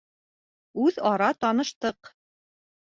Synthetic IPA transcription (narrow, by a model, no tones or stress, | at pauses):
ʉðɑɾɑt̪ɑnɤ̆ʃt̪ɤq